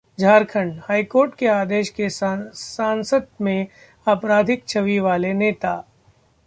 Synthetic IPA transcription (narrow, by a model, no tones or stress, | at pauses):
d͡ʒʱaːɾkʰəɳhaːikoːɾʈkeaːd̪eːʃkesãːnsəd̪̚mẽ | ɐpɾaːd̪ʱɪk̚t͡ʃʰɐʋiʋaːleneːt̪aː